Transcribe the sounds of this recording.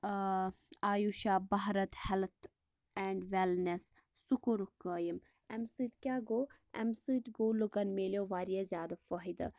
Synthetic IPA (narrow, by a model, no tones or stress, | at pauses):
aːjuʃaːbɐɦɾɐt̪hɛlt̪ʰ | ɛɳɖʋɛlnesː | ukuɾukəːjim | ɛmsɨt̪kʲaːɡoː | ɛ̰msɨt̪ɡoːlukɐnmeːljoːʋaːɾijazʲjaːd̪afɐɦid̪ɐ̰